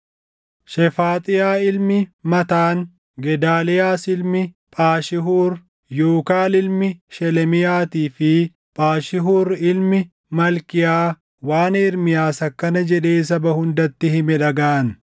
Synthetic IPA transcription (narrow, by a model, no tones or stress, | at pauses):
ʃɛfaːt̪ʼɪjaːɪlmɪmɐt̪aːn | ɡɛd̪aːlɛjaːsɪlmɪ | pʼaːʃɪɦuːɾ | joːkaːlɪlmɪʃɛlɛmɪjaːt̪iːfɪ | pʼaːʃɪɦuːɾɪlmɪ | mɐlkɪjaː | waːneːɾmɪjaːsɐkːɐnɐd͡ʒɛᶑe̞ːs̬ɐbɐhʊnd̪ɐt̪ːɪhɪmɛᶑɐɡaʔɐn